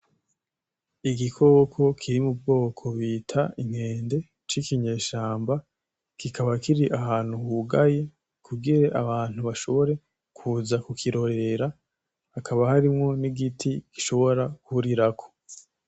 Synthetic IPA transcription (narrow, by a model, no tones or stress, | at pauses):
iɡikʰo̞kʰo̞kʰiɾimub̚ɡo̞ːkʰo̞βiːtʰaiŋ̥he̞ːnde̞ | t͡ʃikiɲe̞ːʃaːmba | kikaβakiɾiʔaɦaːn̥huhuɡaje̞ | kʰuɡiɾe̞ʔaβaːn̥huβaʃo̞βo̞ɾe̞ | kʰuzakukʰiɾo̞ɾe̞ɾa | akʰaβahaɾimŋo̞niɡitʰiɡ̥iʃo̞βo̞ɾakuɾiɾakʰo̥